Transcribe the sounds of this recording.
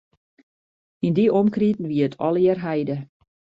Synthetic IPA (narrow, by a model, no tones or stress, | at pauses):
indiomkritn̩ʋiətʰɔlˠɪrɦɛjdə